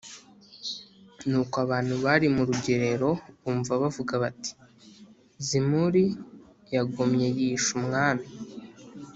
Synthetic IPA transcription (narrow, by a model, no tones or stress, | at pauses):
nuːkoaβaːn̥huβaɾimuɾuɟe̞ɾe̞ɾo̞uːɱvaβavuɡaβati̥ | zimuɾi | jaɡomɲe̞jiːʃumŋaːmi